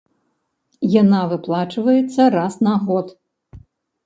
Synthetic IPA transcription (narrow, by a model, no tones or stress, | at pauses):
janavɨplˠat͡ʂɨvɐjɛt̪sːɐrasnaɣɔt̪